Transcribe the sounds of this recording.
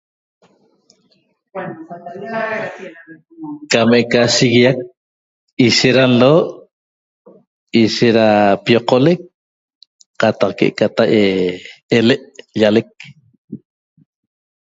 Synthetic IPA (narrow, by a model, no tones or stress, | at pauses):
kamekaʃiɣiak̚ | iʃeɾanloːʔ | iʃeɾapijoqolek̚ | qɑt̪ɑqkḛʔkat̪aqeeleʔʎalek̚